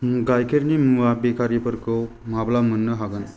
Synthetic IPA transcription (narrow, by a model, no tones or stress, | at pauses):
ɡajkʰeɾnimabekʰaɾipʰɯɾkʰɯmablamɯnːɯɦaɡɯn